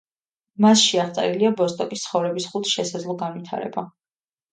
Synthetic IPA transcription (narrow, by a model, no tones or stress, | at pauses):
masʃiaʁt̪sʼɛ̰ɾiliabɔst̪ʼɔkʼist̪sʰχɔvɾɛbisχut̪ʰʃɛsad̪zlˠɔɡanvit̪ʰa̰ɾɛ̰ba